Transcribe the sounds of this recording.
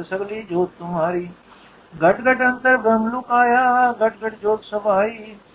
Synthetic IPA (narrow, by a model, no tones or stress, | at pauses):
sɐɡliːd͡ʒoːt̪t̪ːʊmɦaːɾiː | ɡɐʈɡɐʈɐnt̪əɾbɾɐmlukaːjaːɡɐʈɡɐʈd͡ʒoːt̪sɐbaːiː